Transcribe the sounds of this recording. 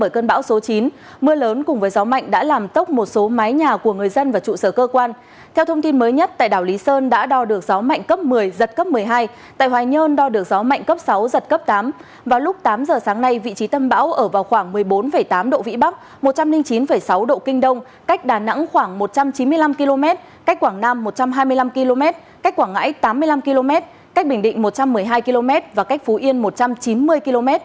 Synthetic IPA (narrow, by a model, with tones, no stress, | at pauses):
ɓəː˧˩jkəː˧nɓa̰ː˧˥wso˨˦t͡ɕi˨˦n | mɨ˧ələː˨˦nkʊ˨˩ŋ͡mvəː˨˦jzɔ˨˦ma̰˧˨jŋ̟ɗa̰ː˧˥laː˨˩mt̪ə˦˥k͡p̚mo˨˩t̚so˨˦ma˨˦jɲaː˨˩ku˧˩əŋɨ˨˩əjzə˧nvaː˨˩t͡ɕṵ˧˨səː˧˩kəː˧kwaː˧n | t̪ʰɛ˧wt̪ʰə˧wŋ͡mt̪i˧nməː˨˦jɲə˦˥t̚t̪a̰ː˧˨jɗaː˧˩wli˨˦səː˧nɗa̰ː˧˥ɗɔ˧ɗɨ˨˩ək̚zɔ˨˦ma̰˧˨jŋ̟kə˦˥p̚mɨ˨˩əjzə˨˩t̚kə˦˥p̚mɨ˨˩əjɦaː˧j | t̪a̰ː˧˨jhwaː˨˩ɲəː˧nɗɔ˧ɗɨ˨˩ək̚zɔ˨˦ma̰˧˨ŋ̟kə˦˥p̚sa˨˦wzə˨˩t̚kə˦˥p̚t̪aː˨˦m | vaː˨˩wlʊ˦˥k͡p̚t̪aː˨˦mzəː˨˩saː˨˦ŋna˧jvḭ˧˨t͡ɕi˨˦t̪ə˧mɓa̰ː˧˥wʔəː˧˩vaː˨˩wxwaː˧˩ŋmɨ˨˩əjɓo˨˦nfə˧˩jt̪aː˨˦mɗo̰˧˨vḭ˧˥ɓa˦˥k̚ | mo˨˩t̚t͡ɕa˧mlï˧ŋt͡ɕi˨˦nfə˧˩jsa˨˦wɗo̰˧˨kï˧ŋ̟ɗə˧wŋ͡m | ka˦˥jk̟̚ɗaː˨˩na̰˧˥ŋxwaː˧˩ŋmo˨˩t̚t͡ɕa˧mt͡ɕi˨˦nmɨ˧əjla˧mki˧lo˧mɛ˦˥t̚ | ka˦˥k̚kwaː˧˩ŋnaː˧mːo˨˩t̚t͡ɕa˧mɦaː˧jmɨ˧əjla˧mki˧lo˧mɛ˦˥t̚ | ka˦˥jk̚kwaː˧˩ŋːa̰ː˧˥jt̪aː˨˦mːɨ˧əjla˧mki˧lo˧mɛ˦˥t̚ | ka˦˥k̟̚ɓï˩ŋ̟ɗḭ̈˧˨ŋ̟mo˨˩t̚t͡ɕa˧mːɨ˨˩əjɦaː˧jki˧lo˧mɛ˦˥t̚vaː˨˩ka˦˥k̟fu˨˦ʔi˧ənmo˨˩t̚t͡ɕa˧mt͡ɕi˨˦nmɨ˧əjki˧lo˧mɛ˦˥t̚